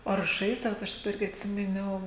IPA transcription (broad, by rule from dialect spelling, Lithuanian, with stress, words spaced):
oː ɐr ˈʒɐɪzdɐʋoːt ˈɐʃ dɐˈbɐ ˈɪrʲɡʲɪ ɐtʲˈsʲɪmʲɪˌnʲɛʊ